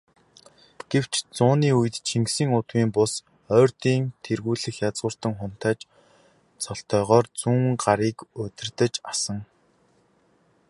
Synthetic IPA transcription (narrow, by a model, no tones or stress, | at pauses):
ɡ̥ew̥t͡ɕt͡sʊːniːujɘ̆t̪t͡ɕʰiŋksiːŋʊt̪wiːmpʊs | œːrt̪iːnt̪ʰerɣuːɮɘ̆xjat͡sʁʊ̆ːr̥t̪ə̆ŋχʊn̥t̪æːt͡ɕ | t͡sɔɬt̪œːʁɔœːrt͡suːŋɢaɾiːkʊt̪ʲɪ̆rt̪ə̆t͡ɕasə̆ŋ